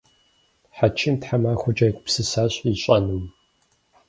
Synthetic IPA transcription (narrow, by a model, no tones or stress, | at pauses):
ħat͡ʃʰɪmtħamaːxʷʊd͡ʒajkʷʰʼpsɨsaːɕʼiɕʼɐnum